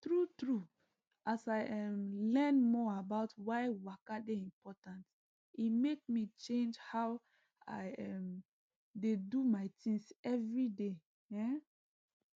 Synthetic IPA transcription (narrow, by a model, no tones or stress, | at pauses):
tɹutɹu | ʔasaɪɛmlɛ̃nmɔabaʊtwaɪwakadeĩmpɔtãnt | imek̚mit͡ʃẽnd͡ʒhaʊ | aɪɛm | dedumaɪtʰĩŋsɛvɹide | ɛ̃